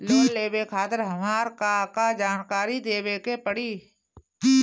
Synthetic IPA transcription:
loːleːbekʰaːt̪əɾɦɐmaːɾkakad͡ʒaːnkaːɾid̪eːbekepəɽiː

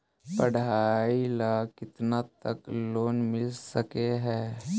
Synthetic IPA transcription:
pəɽ̤ailakɪt̪nat̪əkloːnmɪlsəkeɦɛː

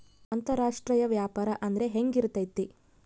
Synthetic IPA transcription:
ɐnt̪ɐɾaːʂʈɾɐjɐʋjaːpaːɾɐʔɐnd̪ɐɾe̞ɦeŋɡiɾut̪ːɐjt̪ːi

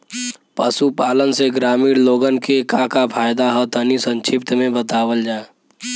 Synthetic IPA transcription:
pəsupaːlənseɡɾaːmiːɽloːɡənkekãkapʰaːjd̪aɦət̪ʰənisə̃nt͡ʃʰɪp̚t̪əmẽbət̪aːwəld͡ʒaːe

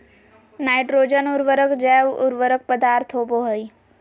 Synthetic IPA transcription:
naːɪʈɾoːd͡ʒənʊɾʋəɾəkd͡ʒɛːʋʊ̰ɾʋəɾək̚pəd̪aːɾt̪ʰɦoːboɦəi

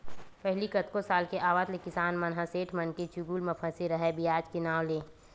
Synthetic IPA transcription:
pɛɦlikɐt̪kosaːlkeʔaːʋaːt̪lekɪsaːnmɐnɦaseːʈʰmɐnket͡ʃuɡuːlmɐpʰə̃seɾɐɦɛbijaːd͡ʒkɪnaːʋleː

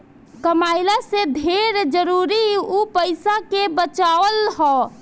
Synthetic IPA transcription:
kəmaɪlased̪ʱeɾd͡ʒəɾuɾiupəɪsakebət͡ʃaʋəlɦɔ

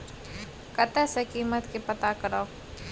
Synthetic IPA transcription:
kət̪əsekiːmət̪kipət̪akəɾaː

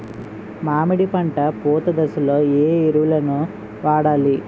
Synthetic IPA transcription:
maːmiɽipɐɳʈɐpoːt̪ɐd̪ɐsulo̞ːeːiɾuʋulɐnu | ʋaːɽaːli

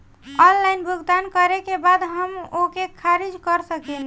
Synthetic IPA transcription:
ɔnlajnbʱuɡd̪ankəɾekebad̪ɦəmokekʰaɾid͡ʒkəɾsəkɛn

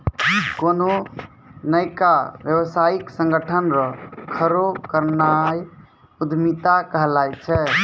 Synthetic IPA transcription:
kono | nəjkabjəwsaiksəŋɡəʈʰənɾɔkʰəɾokəɾnaj | ud̪ʱmit̪akəɦlajt͡ʃʰɛ

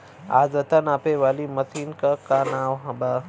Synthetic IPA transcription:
a̰ːzɐt̪ənaːpeʋaːlimɐsʰiːnkakanaːwɦɐ̃ba

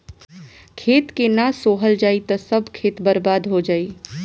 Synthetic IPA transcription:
kʰeːt̪kenasoːɦəld͡ʒaːit̪əsəbʱkʰeːt̪bəɾbaːd̪ɦod͡ʒaːi

